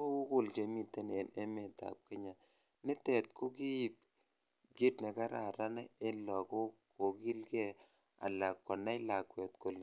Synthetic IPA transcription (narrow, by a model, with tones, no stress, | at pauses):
o˦u˦kʊ˨lt͡ʃe˨mi˨te˦ne˨ne˦me˨ta̰˨p̚ke˦ɲa˨ | nɪ˦tɛ˨t̚ko˦ki˦i˨p̚ | ɡi˦tne˨ka˦ɾa̰˨ɾa˦nɛ˦e˦lɔ˨ko˦ko˨ki˦lkɛ˦ | a̰˨la˨kkɔ˨na˦jla˨kwɛ˨t̚ko˨l